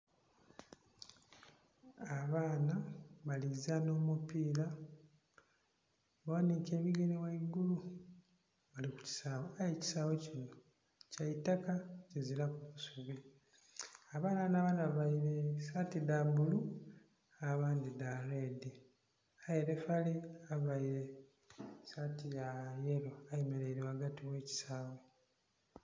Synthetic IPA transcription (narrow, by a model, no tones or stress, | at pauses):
aβaːnaβalizano̞ːmupiːla | βawanike̞ːβiɡenewaiɡulu | βaliku̥ci̥saːβoajeci̥saːβo̞cino | caitakacezilakuβusuβi | aβaːnanaβanaββaiɾe̞satidabulu | aβaːndidalede | ajeɾefaleaβajiɾe̞ | satijajelo̞ajemeɾeiɾewaɡatiwe̞ːci̥saːwe